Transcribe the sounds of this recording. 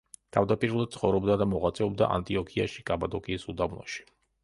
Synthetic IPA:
t̪ʰavd̪apʼiɾulˠad̪̚sʰχɔvɾɔbd̪ad̪amɔʁat̪sʼɛɔb̚d̪a̰ʔa̰nt̪ʼiɔkʰia̰ʃikʼabad̪ɔkʼiːsud̪avnɔ̰ʃi̥

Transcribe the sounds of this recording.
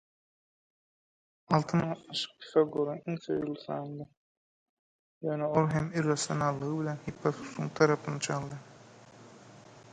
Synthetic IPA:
ɑlˠt̪ʰɯnʁɑt̪nɑʃɯ̥q̚pʰi̥θɑɡøɾeniŋθø̰julˠθɑ̰ːnd̪ɯ | jøːneolˠɦemirɑsjonɑlˠːɯʁɯbilʲenhipʰːɑθu̥suŋt̪ʰɑɾɑpʰɯnɑt͡ʃʰɑlˠd̪ɯ

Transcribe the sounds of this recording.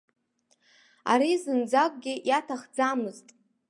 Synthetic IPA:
a̰ɾizɨnd͡zakʷʼɡʲɪjatʰaχd͡zamɨztʼ

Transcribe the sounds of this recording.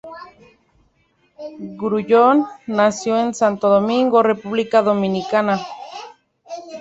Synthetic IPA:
ɡɾuʝonːasjoensant̪oðomĩŋɡore̞puβlikaðo̞mĩnikana

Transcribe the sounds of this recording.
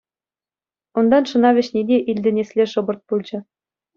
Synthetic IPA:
und̪ɑnʂɤ̆nɑʋʲɘ̆ɕnʲid̪ʲeʔilʲd̪ʲɘ̆nʲesʲlʲeʂɤ̆bɤ̆rt̪̚pulʲˠd͡ʑɤ̆

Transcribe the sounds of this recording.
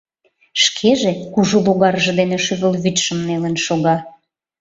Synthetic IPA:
ʃkʰeʒekuʒoloɣɑrʒɤ̆d̪eneʃyβəlβyt̪ʃə̆mnelənʃoɣɑ

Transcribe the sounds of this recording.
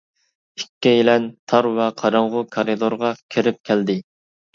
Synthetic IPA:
ikʲʰːijilɛnt̪ʰɑɾwɛqʰɑɾɑɴʁʊkʰɑɾɨd̪oɾʁɑkʲʰeɾɪp̚kʲʰɛld̪ɪ

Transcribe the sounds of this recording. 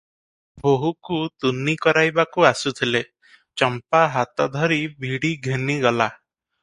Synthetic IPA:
boɦukut̪unikɔɾajbakuasut̪ʰile | t͡ʃɔmpaɦat̪ɔd̪ʱɔɾibʱiɽiɡʱeniɡɔla

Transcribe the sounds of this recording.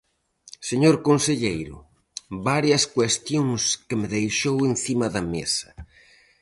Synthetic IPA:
seɲoɾkonseʎejɾʊ̰ | βaɾjɐskwest̪joŋskɪmɪðejʃowen̟θimɐðɐmḛsɐ̥

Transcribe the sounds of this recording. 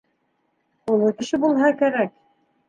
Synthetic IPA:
ulˠɤkɘ̆ʃɘbulˠɦɑkæɾæk̚

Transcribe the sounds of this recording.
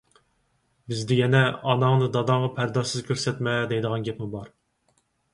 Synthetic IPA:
bɪzd̪ɪjɛnɛɑnɑŋnɨd̪ɑd̪ɑŋʁɑpʰæɾd̪ɑsɨz̥kʲʰøɾsɛt̪mɛd̪ɛjd̪əʁɑnɡʲɛpmubɑɾ

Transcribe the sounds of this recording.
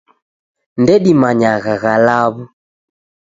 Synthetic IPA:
ndɛɗimaɲaɣaɣalaβu

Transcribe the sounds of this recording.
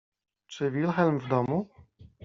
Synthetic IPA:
t͡ʂɘvʲilxɛlmvd̪ɔmu

